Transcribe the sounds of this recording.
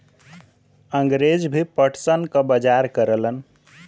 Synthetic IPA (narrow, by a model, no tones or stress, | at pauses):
əŋɡɾed͡ʒbʱipəʈʰsənkəbəd͡ʒaɾkəɾələn